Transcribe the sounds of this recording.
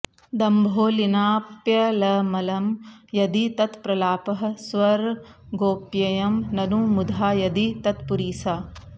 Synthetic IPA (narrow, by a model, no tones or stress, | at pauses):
d̪ɐmbʱoːlinaːpjɐlɐmɐlɐmjɐd̪it̪ɐt̪pɾɐlaːpɐɦɐ̆sʋɐɾɡoːpjɐjɐmnɐnumud̪ʱaːjɐd̪it̪ɐt̪puɾiːsaː